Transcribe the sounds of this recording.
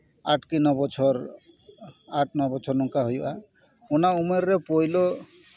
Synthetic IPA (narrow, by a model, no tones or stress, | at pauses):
aʈkinɔbɔt͡ʃʰɔɾ | aʈʰnɔbɔt͡ʃʰɔɾnɔŋkaɦojba | onaumeɾɾepojlo